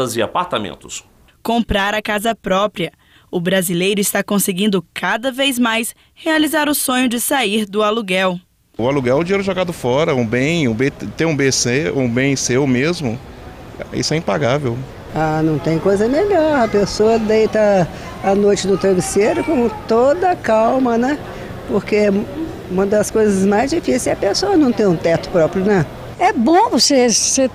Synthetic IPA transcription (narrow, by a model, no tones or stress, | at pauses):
ɐzɪa̰paɾt̪amḛ̃nt̪ʊ̥s | kõmpɾaɾɐkazɐpɾɔpɾiɐ | ʊbɾazilejɾʊɪst̪akõsɪɡĩnd̪ʊkad̪ɐvejzmajs | healizaɾʊsõɲʊd͡ʒɪsaiɾd̪ʊaluɡɛw | ʊaluɡɛwʊd͡ʒiejɾʊɛʒoɡad̪ʊfɔɾɐũbẽj̃ũbet̪ẽj̃ũbeseũbẽj̃seʊmezmʊ̰ | aḭsʊɛĩpaɡavew | anɐ̃w̃t̪ẽj̃kojzɐmeʎɔɾɐpesoɐd̪ejt̪ɐː | nojt͡ʃɪd̪ʊt̪ɾeviseɾʊkõt̪od̪ɐkawmɐnɛ | poɾkẽ | ũmɐd̪ɐskojzɐzmajzd͡ʒifisesɛɐpesoɐnɐ̃w̃t̪ẽj̃ũt̪ɛt̪ʊ̥pɾɔpɾjʊnɐ̃ | ɛbõvosese